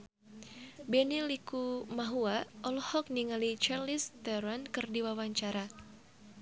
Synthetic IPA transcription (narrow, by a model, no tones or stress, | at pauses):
bɛnilikumaɦuaʔɔlɔhɔk̚niŋalit͡ʃarlist̪ɛɾɔnkɨrdiwawaɲt͡ʃaɾa